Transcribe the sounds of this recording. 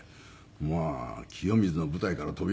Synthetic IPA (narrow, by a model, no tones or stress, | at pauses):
makʲʰijo̞mʲizɨno̞bɯ̟t̪aikaɾat̪o̞bʲi